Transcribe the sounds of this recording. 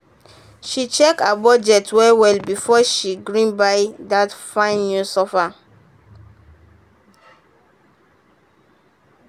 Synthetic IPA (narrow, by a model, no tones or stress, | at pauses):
ʃit͡ʃɛkabɔd͡ʒɛtwɛwɛlbifɔʃiɡɹĩnbaɪdatfãɪ̃nːjusɔfa